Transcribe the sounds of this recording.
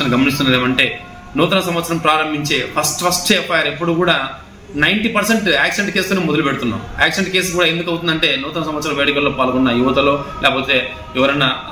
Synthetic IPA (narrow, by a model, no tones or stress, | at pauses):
ɐɐnɡɐmɐnist̪unːɐd̪eːmɐɳʈe̞ː | nuːt̪ɐnɐsɐmʋɐt̪sːɐɾɐmpɾaːɾɐmbʱiɲt͡ʃeːpʰɐsʈpʰɐsʈeːpajaːɾepːuɽukuːɽaː | nɐjɳʈiːpɐɾseɳʈaːkseɳʈke̞ːst̪ːneːmɔd̪ɐlupeɽut̪unːa̰ːmaːkseɳʈke̞ːs̬kuːɽaːend̪ukɐwt̪und̪ɐɳʈe̞ːnuːt̪ɐnɐsɐmʋɐt̪sːɐɾɐmʋeːɽikɐlːoːpaːlɡɔnːɐjuʋɐt̪ɐloːlʔɛːkɐp̬o̞ːt̪e̞ː | ɛʋɐɾɐjnːɐ